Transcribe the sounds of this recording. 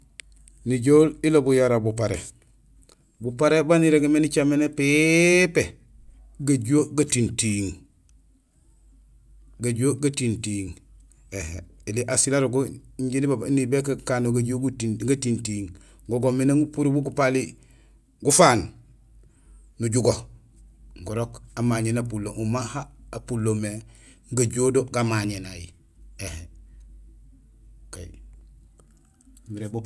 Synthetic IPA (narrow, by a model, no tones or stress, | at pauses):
niɟoːlilobujaɾabupaɾḛ | bupaɾebaniɾeɡemenit͡ʃamenepepe | ɡaɟuoɡatintiŋ | ɡaɟuoɡatintiŋ | ehḛliʔasilaɾuɡuɲɟinibabnibekakanoɡaɟoɡuiɡatintiŋ | ɡoɡominaŋupuɾubuɡupali | ɡufaːn | nuɟuɡo | ŋɡuɾokamaːɲenapulːoŋʔumahaːpulːome | ŋɡaɟodoɡamaɲenaji | ehe | kai | miɾe